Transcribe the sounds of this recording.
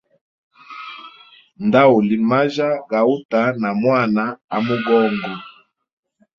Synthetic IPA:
nda˦u˨li˨ma˦ʒa˦ɡa˨u˦ta˨˦na˨mwa˦˨na˦a˨mu˦ɡɔ˦ŋɡɔ˨

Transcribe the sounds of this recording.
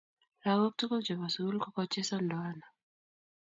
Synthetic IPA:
lawo˦k̚tu˦kɔ˦d͡ʒɔ˨βa˨su˦lkɔ˦kɔt͡ʃe˦sɔ˦ndɔ˨ana˨

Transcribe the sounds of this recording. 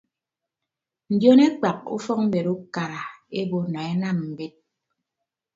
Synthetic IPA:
n̩˨djo˦ne˦k͡pa˨k̚ṵ˦fɔ˦k̚m̩˦be˨ɾu˦ka˨ɾa˨e˦bo˦nɔ˨e˦na˦˨mm̩˨be˦t̚

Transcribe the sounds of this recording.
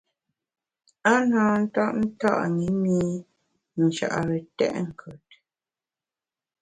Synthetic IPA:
a˦naː˦n̩˦tɔ˦ʔn̩˦ta̰˦ʔŋi˨˦miː˦ | nu˨ʃa̰˨ʔa̰˨ɾə˨tɛ̰˦ʔŋ̩˨kʰə˨t̚

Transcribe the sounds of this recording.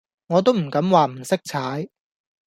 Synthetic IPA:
ŋɔː˨˧t̪o˥wm̩˨˩kɐ˨˥mwaː˨m̩˨˩sɪ˥k̚t͡sʰaː˨˥j

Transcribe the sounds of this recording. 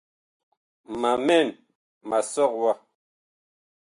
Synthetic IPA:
ma˨mɛ˦˨n | ma˨sɔ˦kwa˦

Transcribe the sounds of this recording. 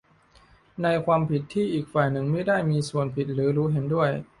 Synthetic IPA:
na˧jkʰwaː˧mpʰi˨˩t̪ʰːiː˥˩ʔiː˨˩k̚faː˨˩jnɯ˨˩ŋmi˥˩daː˥˩jmiː˧su˨˩ənpʰi˨˩t̪̚ɾɯː˩˦ɾuː˦˥ɦe˩˦ndu˥˩əj

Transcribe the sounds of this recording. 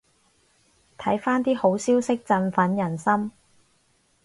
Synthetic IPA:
t̪ʰɐ˨˥jfaː˥nt̪iː˥ho˨˥wsiː˥wsɪ˥k̚t͡sɐ˧nfɐ˨˥njɐ˨˩nsɐ˥m

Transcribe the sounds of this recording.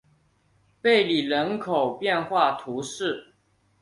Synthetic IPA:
pe˥˨˩ɪli˨˩ɻə˧˦˥nkʰo˨˩ʊpjɛ˥˨nxwa˥˨t̪ʰu˨˦ʂɻ̩˥˩˨

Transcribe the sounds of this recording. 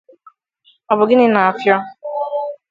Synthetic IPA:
ɔ˨bʊ˨ɡɪ˦nɪ˦na˨a˨fjɔ˦

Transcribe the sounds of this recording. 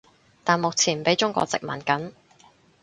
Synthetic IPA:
t̪aː˨nmʊ˨k̚t͡sʰiː˨˩npe˨˥jt͡ʃʊ˥ŋkʷɔ̰ː˧t͡sɪ̰˨k̚mɐ̰˨˩nkɐ˨˥n

